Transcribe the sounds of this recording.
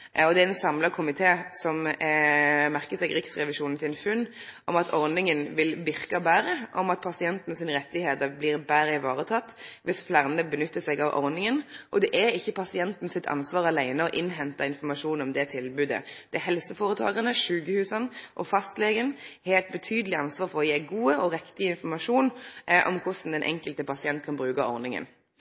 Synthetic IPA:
ɔd̪ɛæɛnsɑmlɑkʰʊmɪt̪ʰeːsɔm | mæʁkəsɛɡɾɪksʁɛʋɪʃuːnn̩sɪnfʉnːʔɔmɑt̪ʰɔɾnɪŋənʋɪlʋɪʁkɑbæːɾəʔɔmɑt̪̚pʰɑsɪɛnt̪n̩sɪnʁɛt̪ːɪheːt̪əɾbliːʁbæɾəɪʋɑːʁət̪ʰɑt̪ːʋɪsflæʁnəbənʏt̪ːəsɛɡɑʋʔɔ̰ʁnɪŋənʔɔd̪ɛʔɛɾɪçːəpʰɑsɪɛnt̪n̩sɪt̪ʰɑ̰nsʋɑːʁɑlæɪnəɔʔɪnɦɛnt̪ɑɪnfɔɾmɑʂuːnɔmd̪ɛt̪ʰɪlbʉːd̪ə̰d̪̥ɛɛɦɛlsəfoːɾət̪ʰɑ̰ːɡənəʃʉːɡəhʉːsənʔɔfɑst̪leːɡənheːlt̪̚bət̪ʰyːd̪əlɪɑnsʋɑːʁfɔɔjeːɡuːəɔɾɛkt̪ɪəɪnfɔɾmɑʂuːnʔɔ̰mkʰʊsn̩d̪ɛnʔɛ̰ŋkəlt̪əpɑsɪɛnt̪̚kʰɑnbʁʉːkɑɔ̰ʁnɪŋə̰n

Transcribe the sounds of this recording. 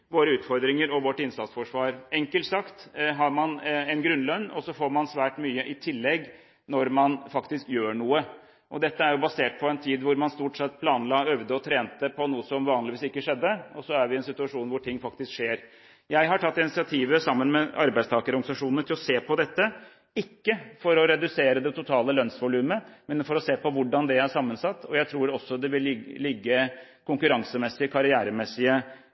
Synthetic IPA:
ʋoːɾəʉːt̪fɔɾd̪ɾɪŋəɾɔʋɔʈːɪnsɑt̪sfɔʂʋɑːɾɛŋkəlt̪sɑkt̪ɦɑɾmɑnɛɪnɡɾʉnlœnːɔsɔfoːɾmɑnsʋæːʈmyːəʔɪt̪ʰɪlːɛɡ | nɔɾmɑnfɑkt̪ɪskjøːɳuːə | ʔɔd̪ɛt̪ːəæɾjʊbɑseːʈ̚pʰɔɛnt̪ʰiːd̪ʋʊɾmɑnst̪uːʈsɛt̪ːpʰlɑːnlɑːœʋd̪əɔt̪ʰɾeːnt̪əpʰɔnuːəsɔmʋɑːnlɪʋiːsɪkːəʂɛd̪ːəɔsɔæɾʋɪɛnsɪt̪ʉɑʂuːnʋʊʈʰɪŋːfɑk̚t̪ɪskʂeːɾ | jæɪɦɑʈʰɑt̪ːɪnɪtsɪɑt̪ʰiːʋəsɑmːənmɛɑɾbæɪst̪ʰɑːkəɾɔɾɡnsɑʂuːnəʈ̪ʰɪlɔseːpʰɔd̪ɛt̪ːə | ɪkːəfɔɾɔɾɛd̪ʉseːɾəd̪ɛt̪ʰʊt̪ʰɑːləlœnsʋʊlʉːməmɛnfɔɾɔseːpɔʋʊɖɑnd̪ɛæʂɑmːənsɑt̪ːɔjæɪt̪ʰɾuːɾɔsːɔd̪ɛʋɪllɪɡːəkʰʊŋkʉɾɑŋsəmɛsːɪəkʰɑɾɪæːɾəmɛsːɪə

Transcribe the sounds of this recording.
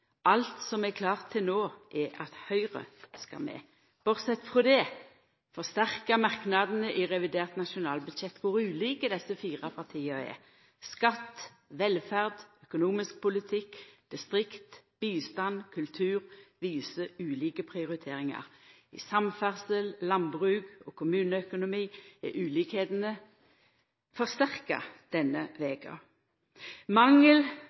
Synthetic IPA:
ʔɑlt̪sɔmɛkʰlɑːʁt̪ʰːɪlnoːʔɛʔɑt̪hœʏʁə̰skɑ̰mɛ̰ | b̥ɔʁsɛt̪ːfʁɔd̪ɛː | fɔʁst̪æʁkɑmɑʁknɑd̪n̩əʔɪʁɛʋɪd̪eːʁt̪nɑʃʊnɑːlbʉd̪ʃɛt̪ːkʰʊʁʉːliːkəd̪ɛsəfiːʁɑpʰɑʁt̪ʰiːɑɛ̰ʁ | skɑt̪ː | ʋɛlfæʁd̪œkʊnuːmɪsk̚pʰʊlɪt̪ʰɪkːd̪̥ɪst̪ʁɪkt̪ | b̥iːst̪ɑnkʰʉlt̪ʰʉːʁʋiːsəʉːliːkəpʰʁɪʊʁɪt̪ʰeːʁɪŋɑ̰ʁ | ɪ̰sɑmfæʁsəllɑmbʁʉːɡoːkʰʊmʉːnəœkʊnʊmiːɛʔʉːliːkheːt̪ənə | fɔʁst̪æʁkɑ̰d̪̥ɛnəʋeːkʰɑ̰ | mɑŋəl

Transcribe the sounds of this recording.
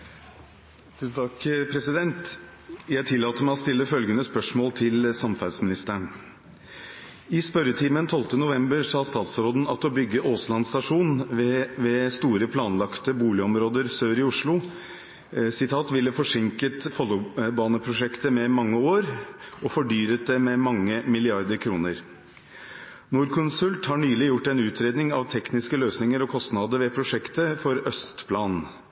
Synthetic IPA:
t̪ʰʉsnt̪ʰɑkpʰɾɛsɪd̪ɛnt̪ | jæɪt̪ʰɪlːɑːt̪əɾmæɪɔst̪ɪlːəfœlɡənəspœʂmoːlt̪ʰɪlsɑmfæd̪smɪnɪst̪əɳ | ɪspœɾət̪ʰiːmənt̪ʰɔlt̪ənʊʋɛmbəɾʂɑːst̪ɑːt̪sɾoːd̪n̩ɑt̪ɔbʏɡːəoːslɑnst̪ɑʂuːnʋɛst̪uːɾəpʰlɑːnlɑkt̪əbuːlɪɔmɾoːd̪əɾsøːɾɪʊʂlʊ | sɪt̪ʰɑːt̪ʋɪlːəfɔʂɪŋkət̪fɔlːbɑːnəpʰɾʊʂɛkt̪əmɛmɑŋːəoːɾɔfɔɖyːɾət̪̚d̪ɛmɛmɑŋːəmɪlɪɑɾd̪əɾkʰɾuːnəɾ | nuːɾkʰʊnsʉlt̪hɑɳyːlɪjʊʈːɛnʉːt̪ʰɾeːd̪nɪŋɑʋt̪ʰɛknɪskəløːsnɪŋəɾɔkʰɔst̪nɑd̪əɾʋɛpʰɾʊʂɛkt̪əfɔɾœst̪pʰlɑːnn̩

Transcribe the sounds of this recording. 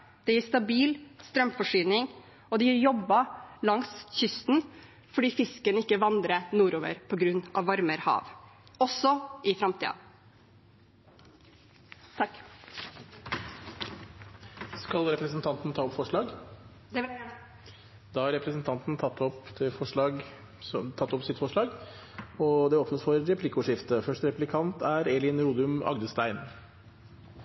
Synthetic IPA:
d̪̥ɛjiːst̪ɑbiːlst̪ɾœmfɔʂyːnɪŋ | ɔd̪ɛjiɾjɔbːɑlɑŋsçʏst̪n̩ | fɔɖiːfɪskənəɪkːəʋɑnd̪ɾənuːɾoːʋə̰ɾpʰɔɡɾʉnːɑ̰ʋːɑɾməɾhɑ̰ːʋɔsɔɪfɾɑmt̪ʰḭːɑ̰ | t̪ʰɑkː | skɑlɾɛpɾəsnt̪ʰɑnt̪n̩t̪ʰɑːɔpfɔʂɭɑːɡ̪ | d̪̥ɑːhɑɾɛpɾəsnt̪ʰɑnt̪n̩t̪ʰɑt̪ːɔpt̪ʰɪfɔʂɭɑːɡ | t̪ʰɑt̪ːɔpsɪt̪fɔʂɭɑːɡ | ɔd̪ɛoːpnəsfɔɾɾɛpʰlɪkːʊʂɪft̪əfœʂʈəɾɛpʉlɪkʰɑnt̪æɾɛlɪnɾuːd̪ʉmɑ̰ɡd̪əst̪æɪn

